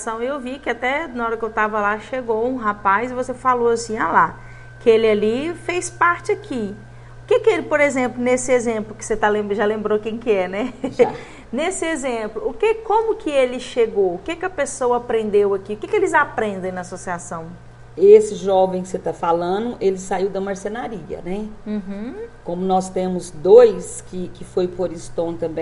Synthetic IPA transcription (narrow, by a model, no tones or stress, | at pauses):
sɐ̃w̃ewvikɪat̪ɛnɐɔɾɐkɪewt̪avɐlaʃeɡowũɦapajzɪvosefaloɐsĩala | kɪelɪɐlifejspaɾt͡ʃɪɐkʰi | ʊkekɪelɪpoɾezẽmplʊnesɪezẽmplʊkɪ̥set̪alẽmbʒalẽmbɾokẽj̃kɪɛnɛ | nesɪezẽplʊːkekõmʊkʰɪelɪʃeɡowʊkekɪɐpesowɐapɾẽnd̪ewɐkiʊkekelɪzapɾẽnd̪ẽj̃nɐasosiasɐ̃w̃ | esɪʒɔvẽj̃kɪ̥set̪afalɐ̃nʊʔelɪsaiwd̪ɐmɐɾsenaɾiɐ̰nɛũɦ̩kõmʊnɔst̪ẽmʊzd̪ojskɪkɪfojpoɾĩst̪õw̃t̪ɐ̃mbẽj̃